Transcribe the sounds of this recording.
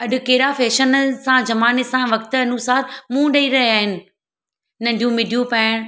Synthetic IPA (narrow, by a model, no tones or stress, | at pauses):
ɐɗʊ̆keɦɾafeːʃənsãd͡ʑɐmaːnesãʋɐk̚t̪ɐnusaːɾmũːɗɐiɾɐɦiaːɦɪnɪ̆ | nɐ̃ɳɖʱjũmɪɖʱijũpɛːɽ̃